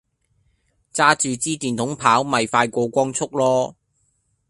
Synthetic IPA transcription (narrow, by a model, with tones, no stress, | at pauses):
t͡saː˥t͡ʃyː˨t͡siː˥t̪iː˨˩nt̪ʰʊ˨˥ŋpʰaː˨˥wmɐ˨jfaː˧jkʷɔː˧kʷɔː˥ŋt͡sʰʊ˥k̚lɔː˥